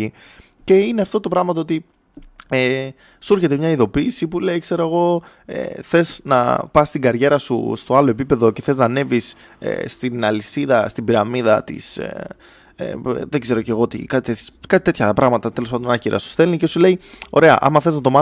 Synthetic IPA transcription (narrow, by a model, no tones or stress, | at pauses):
i | ce̞ineɐft̪o̞t̪o̞pɾɐɣmɐt̪oo̞t̪i | e | suɾçe̞t̪̬emɲɐiðo̞piːsipule̞ikse̞ɾoeɣo̞ | ḛθe̞snɐ̰pɐst̪iɡɐɾʝe̞ɾɐsṵst̪o̞ɐloe̞pipe̞ðo̞ce̞θe̞znɐne̞vis | ḛst̪inɐlisiðɐst̪ibiɾɐmiðɐt̪ḭs | ḛðeɡze̞ɾo̞ce̞ɣo̞t̪ḭkɐt̪it̪et̪çkɐt̪it̪e̞t̪çɐpɾɐɣmɐt̪ɐt̪elospɐnd̪onɐciɾɐ̰su̥st̪e̞lnice̞sule̞io̞̰ɾe̞ɐ̰ʔɐ̰mɐθe̞znɐt̪o̞mɐ